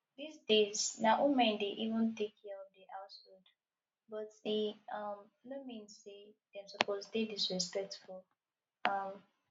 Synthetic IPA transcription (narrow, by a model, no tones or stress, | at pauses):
disdez̥naʔumɛ̃ndeʔivə̃ntekɔ̃deʔaʊtod | bɔtiʌm | nomĩnsedɛ̃msɔpoztek̚disɹispɛk̚tfɔ | ʌm